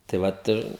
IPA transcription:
tɐɪ ˈʋɐt ɪr

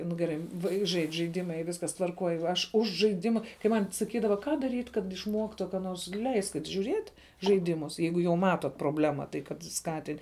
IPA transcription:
nʊ ɡʲɛˈrɐɪ ˈʋɐɪks ˈʒɐɪt͡ʃʲ ʒɐɪˈdʲɪmɐ iː ˈʋʲɪskɐs tʋɐrˈkoːj ɐʃ ˈʊʃ ʒɐɪˈdʲɪmɐ kɐɪ ˈmɐnʲ sɐˈkʲiːdɐʋɐ ˈkɑː dɐˈrʲiːtʲ kɐt ɪʃˈmuɔktʊ kɐ ˈnoːrs ˈlʲɛɪsʲkʲɪtʲ ʒʲuːˈrʲiɛtʲ ʒɐɪˈdʲɪmʊs ˈjɛɪɡʊ jɛʊ ˈmɑːtoːt proːˈbʲlʲæːmɐ tɐɪ kɐt ˈskɑːtʲɪnʲ

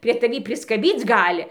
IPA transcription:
pʲrʲiɛ tɐˈʋʲiː pʲrʲɪskɐˈbʲiːt͡s ˈɡɑːlʲɪ

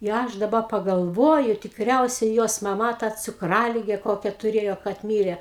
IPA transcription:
ɪ ˈɐʃ dɐˈbɐ pɐɡɐlˠˈʋoːjʊ tʲɪkˈrʲɛʊsʲɛ joːs mɐˈmɐ tɐ t͡sʊkˈrɑːlʲɪɡʲɛ ˈkoːkʲɛ tʊˈrʲeːjoː kɐt ˈmʲiːrʲɛ

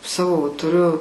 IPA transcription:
ˈsɑːʋoː ʋɐ tʊˈrʲʊ

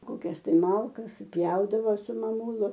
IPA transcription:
koːˈkʲɛs tɐɪ ˈmɐlˠkɐs sʊˈpʲjɛʊdɐʋoː sʊ mɐˈmuːlˠʊ

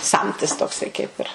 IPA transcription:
ˈsɐmʲtʲɪs toːkˈsɐɪ kɐɪp ɪr

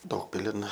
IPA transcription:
ˈdɐʊkpʲɪlʲɪn

